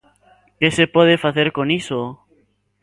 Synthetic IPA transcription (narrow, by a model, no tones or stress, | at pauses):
kesepweð̞efaθeɾkoniso